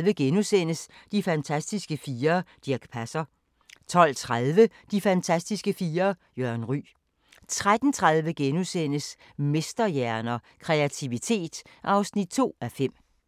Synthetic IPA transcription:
ʋəɡ̥enusen̰əsd̥ifænt͡sʰæsd̥isɡ̥əfiːɐd̥iɐɡ̥pʰæsɐ | t͡sʰɒ̽l̰t͡sʰʁaðˠʋəd̥ifænt͡sʰæsd̥isɡ̥əfiːɐː | jøɐnʁy̰ː | t͡sʰʁad̥n̩t͡sʰʁaðˠʋəɡ̥enusen̰əs | me̝sd̥ɐjæɐnɐ | kʰʁeæt͡sʰiʋit͡sʰe̝̰ːd̥ʔɑ̈ʊsnid̥̚t͡sʰo̝̰ːæfem̰

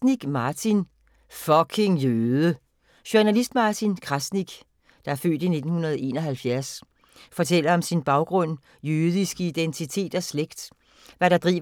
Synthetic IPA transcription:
niɡ̥mɑ̈ːt͡sʰin | fɒ̽kʰe̝ŋjøːððˠə | ɕoɐnælisd̥mɑ̈ːt͡sʰinkʰʁɑsniɡ̥ | d̥ɑ̈æɐfø̰ːd̥ine̝d̥n̩hunɐð̞ˠʔe̝ːnɒɦælfjæɐs | fɒ̽t͡sʰel̰ɐɒ̽msinb̥ɑ̈ʊɡ̥ʁɔ̽n̰ | jøðˠisɡ̥əid̥ent͡sʰit͡sʰe̝̰ːd̥ɒsleɡ̥d̥ | ʋæɾ̥ɑ̈d̥ʁḭː

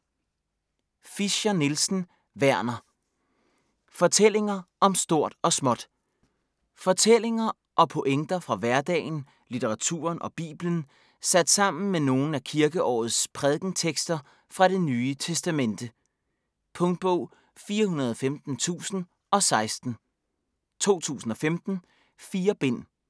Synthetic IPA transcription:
fiɕɐnelsn̩ | ʋæɐ̰nɐ | fɒ̽t͡sʰel̰e̝ŋɐʔɒ̽msd̥o̝ɐ̰d̥ɒ̽smɒ̽d̥ | fɒ̽t͡sʰel̰e̝ŋɐ | ʔɒ̽pʰo̝ʔeŋd̥ɐfʁɑ̈ʋæɐd̥ɛ̰ːɪn̩ | lit͡sʰeʁɑ̈t͡sʰṵɐnʔɒ̽b̥ḭːb̥lən̩ | sæd̥sɑ̈m̰n̩meno̝ːn̩ækʰiɐɡ̥əʔɒ̰ːð̞̩ˠspʰʁɛðˠɡ̥n̩t͡sʰeɡ̥sd̥ɐ | fʁɑ̈ɾ̥e̝nyːət͡sʰesd̥æmen̰d̥ə | pʰɔ̽ŋd̥̚b̥ɔʊ̰ | fiːɐɦunɐð̞ˠɒ̽femd̥n̩t͡sʰṵːsn̩ | ʔɒ̽sɑ̈ɪsd̥n̩ | t͡sʰo̝̰ːt͡sʰṵːsn̩ɒ̽femd̥n̩ | fiːɐb̥e̝n̰

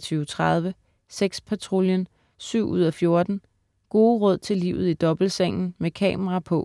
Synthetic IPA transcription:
t͡sʰyʊt͡sʰʁaðˠʋə | seɡ̥spʰæt͡sʰʁo̝ljən | syʊ̰ʔuð̞̰ˠɒfjo̝ɐd̥n̩ | ɡ̥o̝ːʁɔð̞̰ˠt͡sʰe̝liːʊð̞̩ˠid̥ɒ̽b̥l̩seŋ̰n̩mekʰɛ̰ːmʁɑ̈pʰɔ̽

